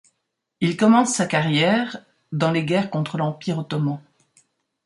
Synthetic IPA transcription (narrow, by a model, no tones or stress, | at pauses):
ilkɔmɑ̃sːakaʁjɛʁ | d̪ɑ̃leɡʲɛʁkɔ̃t̪χəlɑ̃piʁot̪ɔmɑ̃